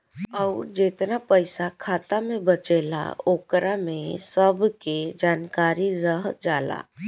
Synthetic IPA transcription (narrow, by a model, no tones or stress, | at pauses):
ɔʊɾd͡ʒet̪napəɪsakʰaːt̪amẽbət͡ʃeːla̰oːkɾamẽsəbʱked͡ʒaːnkaːɾiɾəɦd͡ʒaːla̰ː